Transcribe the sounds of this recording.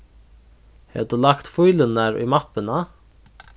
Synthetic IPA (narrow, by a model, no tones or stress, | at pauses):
hɛ̰d̪ulakt̪fujlənaɾʊ̰jmapɪna